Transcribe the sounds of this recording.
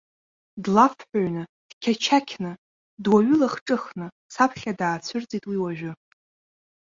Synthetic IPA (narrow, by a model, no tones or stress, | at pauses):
dlafħʷᶣaɥnɨd̥kʲʰat͡ʃʰakʲʰnɨ | dwaɥʏlaχʈ͡ʂʼɨχnɨ | sapʰχʲadaːt͡ɕʷʰɨrd͡zʼitʼwiwaʒᶣʊ